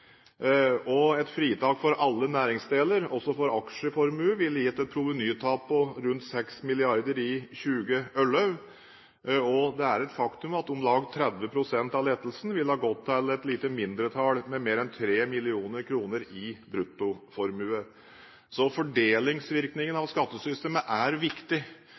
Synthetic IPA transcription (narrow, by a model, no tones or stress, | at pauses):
ɔɛt̪fɾiːt̪ʰɑːkfɔɾʔɑlːənæːɾɪŋsd̪eːləɾɔsɔfɔɾɑkʂəfɔɾmʉːəʋɪlːjɛt̪ːɛt̪̚pʰɾʊʋənyːt̪ʰɑːpʰːɔɾʉnt̪sɛksmɪlɪɑɾd̪əɾɪçʉːɡəœlə | ɔd̪ɛæɾɛt̪fɑkt̪ʉmɑt̪ʊmlɑːɡt̪ʰɾɛd̪ʋəpʰɾʊsɛnt̪ɑʋleːt̪əl̩sn̩ʋɪlhɑːɡɔt̪ʰːɛlɛt̪liːt̪əmɪnd̪ɾət̪ʰɑːlmɛmeːɾɛnt̪ʰɾeːmɪlɪuːnəɾkʰɾuːnəɾɪbɾʉt̪ːʊfɔɾmʉːə | sɔfɔɖeːlɪŋsʋɪɾknɪŋənɑʋskɑt̪ːəsʏst̪eːməʔæɾʋɪkt̪ɪ